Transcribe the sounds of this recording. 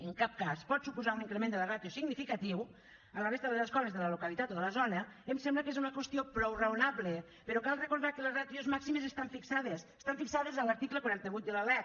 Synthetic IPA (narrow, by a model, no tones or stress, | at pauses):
eŋkap̚kaspɔt̪supuzauniŋkɾemend̪ələrat̪josiɡnifikat̪iw | alaβezðəleleskɔβezðələlokalit̪at̪oðələzɔnəemsɛmbləkezunakwest̪iopɾɔwreunaβle | peɾɔkalˠrəkoɾðaɾkəlezrat̪jozmaksimezest̪aɱfiksaðesst̪aɱfiksaðezaləɾt̪ikləkoɾent̪eβut̪̚d̪əlalɛ